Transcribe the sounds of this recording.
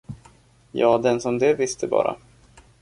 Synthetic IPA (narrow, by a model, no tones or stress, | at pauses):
jɑːd̪ɛnsɔmd̪ɛvɪst̪ʰəbɑ̰ːɾa̰